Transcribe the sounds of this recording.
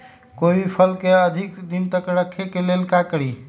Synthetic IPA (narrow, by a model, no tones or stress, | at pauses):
kobipʰəlkeəd̪ʱikd̪int̪əkɾəkʰːekelelkakəɾi